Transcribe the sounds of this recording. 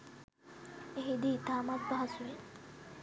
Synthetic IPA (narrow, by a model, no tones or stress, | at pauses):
eɦid̪iːt̪aːmat̪̚baɦasuʋe